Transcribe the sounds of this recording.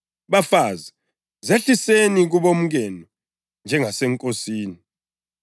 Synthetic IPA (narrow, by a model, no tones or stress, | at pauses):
βafaza | zeɬiseniɣ̬uβom̩ɣɛnɔ | nd͡ʒʱɛŋasɛŋkʼosiːni